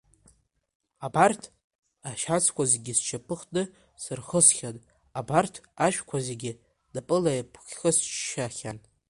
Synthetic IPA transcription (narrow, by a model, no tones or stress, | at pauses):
abartʰ | aʃat͡sʰkʷazeɡʲɪst͡ʃʰapʰɨχdɨ | sɨrχəsχʲatʼ | abartʰaʃᶣkʷʰazeɡʲɪ | dapʼɨlajpʰχʲχəst͡ʃʃaχʲan